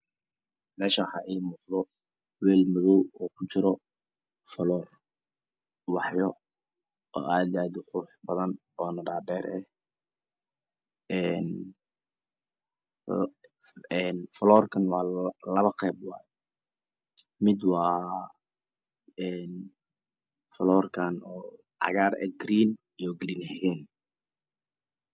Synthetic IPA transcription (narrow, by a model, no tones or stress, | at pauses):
mɛːʃaħɑʔɛjmɔːqðɔ | wɛːlmʊðɔwɔːkʰʊt͡ʃɪɾɔ | fɐlɔːr | wɑħjɔ | ɔ̰ːʔaːd̪jaːd̪ɪqʊɾʊħbɐðɐn | ɔːnɐɖaːɖɛːɾɛ | ɛn | ɛnfɐlɔːrkʰɐnwɑːlɐβɐqɛːb̚wɑːjɛ | mɪd̪wɑː | ɛn | fɐlɔːrkʰanɔː | ʕɑ̰ɣaːrɛ̰ɡɾiːn | ijɡɾiːnhɛɣɛːn